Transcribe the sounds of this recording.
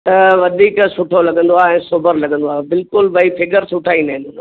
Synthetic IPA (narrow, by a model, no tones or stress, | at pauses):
t̪ɐʋɐd̪ʱiːksʊʈʰolɐɠə̃nd̪oaːɛ̃ːsoːbəɾlɐɠə̃nd̪oaːbɪlkʊlbɐifɪɡəɾsʊʈʰaːĩnd̪aːɦɪ̃nʊn